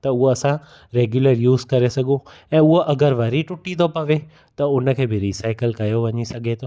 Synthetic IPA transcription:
t̪ɐʊɦoɐsã | ɾeːɡjʊləɾjuːzkɐɾesɐɡõ | ɛ̃ːʊɦoʔɐɡəɾʋɐɾiʈʊʈĩt̪ʰopɐʋe | t̪ɐʊnə̆kʰeːbɪɾiːsaːɪkəlkɐjoʋɐɲisɐɡʱet̪ʰoː

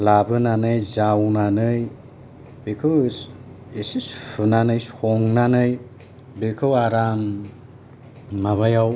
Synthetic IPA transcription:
labɯnanɯjzawnanɯj | bekʰɯws | esispʰɯnanɯjshɔŋnanɯj | bekʰɯwaɾam | maβajaw

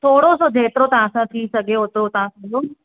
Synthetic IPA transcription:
t̪ʰoːɽosod͡ʑʱeːt̪ɪɾot̪ɐʋ̤ãsãt̪ʰisɐɡʱeɦot̪ʰot̪ɐʋ̤ãsɐd͡ʑo

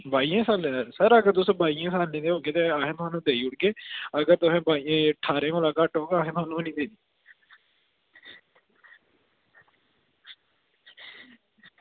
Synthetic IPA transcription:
baːiãːsaːleɾsəɾəɡəɾt̪ʊsõːbʱaːiːãːsaːlnẽːt̪eːɦoːɡeːt̪eaːɦẽːt̪ʊɦaːnũːd̪eːiːʊʈɡeːəɡəɾt̪ʊsẽːbaːiẽːʈʰaːɾẽːolaːkaːʈɦoːɡaːɦẽːt̪ʊɦaːnũːnĩːd̪eːd̪iː

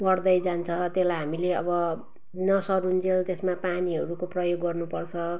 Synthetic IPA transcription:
bʌrd̪ʌjd͡zant͡sʰʌt̪elajɦamileʌ̰bʌ | nʌsʌɾund͡zelt̪esmapaniɦʌɾukoprʌjoɡːʌrnupʌrt͡sʰʌ

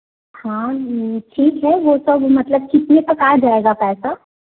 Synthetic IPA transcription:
hãːʈʰiːkɦɛʋosɐbmɐt̪ləb̚kɪt̪nepɐkaːɾd͡ʒaːeːɡapɛːsa

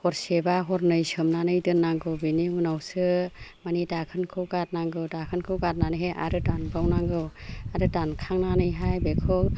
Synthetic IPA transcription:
hɔɾsebaɦɔɾnɯjsɯmnanɯjdɯnːaŋɡɯwbiniunawsɯmanidakʰɯnkʰɯwɡat̚naŋɡɯwdakʰɯnkʰɯɡat̚nanɯɦeʔa̰ɾɯdanbawnaŋɡɯwaɾɯdankʰaŋnanɯjɦajbekʰɯ

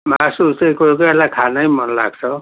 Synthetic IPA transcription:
masutekojkʌelakʰanʌjmʌnla̰ɡ̚t͡sʰʌ

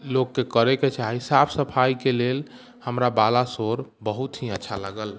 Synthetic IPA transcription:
lokːekəɾeket͡ʃaɦisapʰsəpʰajkelel | həmɾabalasoɾbəɦut̪ɦiətːʃʰaləɡəl

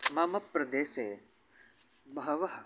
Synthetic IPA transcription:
mɐmɐpɾɐd̪eːseː | mɐɦɐʋɐɦ

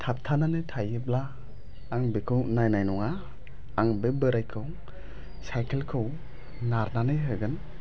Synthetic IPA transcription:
tʰap̚tʰananɯtʰajɯblaː | ŋbekʰɯwnajnajnɔŋaː | ŋbebɯɾajkʰɯw | sajkʰelkʰɯw | naɾnanɯjɦɯɡɯn

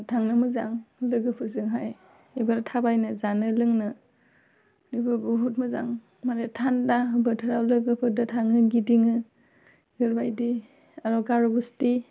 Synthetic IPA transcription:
tʰaŋnɯmɯza̰ŋlɯɡɯpʰɯzɯŋɦaj | ebaɾatʰabajnɯzanɯlɯŋnɯ | nibɯbɯɦut̚mɯza̰ŋ | manetʰandabɯtʰɯɾawlɯɡɯpʰɯdɯtʰaŋɯɡidiŋɯ | ɡɯɾbajdi | aɾɔɡaɾɔbusti

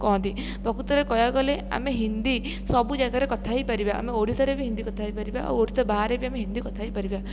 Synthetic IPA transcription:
kɔɦɔ̃nt̪i | bʱɔkut̪ɔɾekɔjaɡɔlea̰meɦind̪i | sɔbud͡ʒaɡaɾekɔt̪ʰaipaɾibaʔa̰meoɽ̤it̪ɔɾebiɦĩnd̪ikɔt̪ʰaijpaɾiba̰ʔa̰woɽit̪ɔbaɦaɾebiameɦind̪ikɔt̪ʰaijpaɾiba

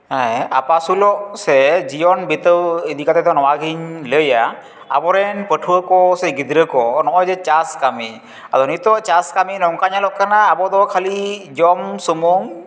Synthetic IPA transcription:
ajapasulɔʔsɛzijɔnbit̪əwid̪ikat̪ɛt̪ɔnɔwaɡiɲləja | a̰bɔɾɛnpətʰuəkɔsɛɡid̪ɾəkɔnɔʔɔjzɛt͡ʃaskami | azɔnit̪ɔʔt͡ʃaskaminɔŋkaɲalɔʔkanaːbɔd̪ɔkʰalid͡ʒɔmsumuŋ

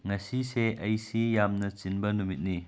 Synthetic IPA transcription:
ŋasiseʔɐjsijamnɐt͡ʃinbɐnumit̚ni

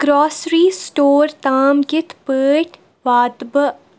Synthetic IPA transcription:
ɡ̥ɾɔːsɾiːsʈoːɾt̪aːmɡɪt̪ʰpəːʈ | ʋaːd̪bə

